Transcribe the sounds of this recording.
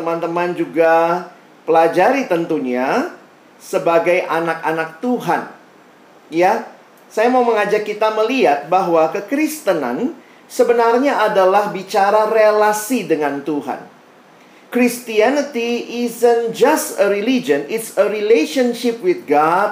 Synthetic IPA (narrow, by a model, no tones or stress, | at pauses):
t̪əmant̪əmand͡ʒuɡa | pəlad͡ʒaɾit̪ənt̪uɲa | səbaɡajʔanak̚anak̚t̪uɦan | ja | sajamauməŋad͡ʒakːit̪aməliat̪̚baɦwakəkɾist̪əna̰n | səbənarɲaadalahbit͡ʃaɾarelasidəŋant̪uɦa̰n | kɾist̪ianət̪iːzənd͡ʒastəɾilid͡ʒənɪtsəɾileʃənʃɪp̚wɪθɡad̚